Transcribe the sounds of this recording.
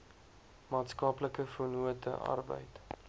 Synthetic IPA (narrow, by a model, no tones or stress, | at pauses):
mɑːtskɑːpləkəfunuətə̰ʔɐ̰rbə̰jt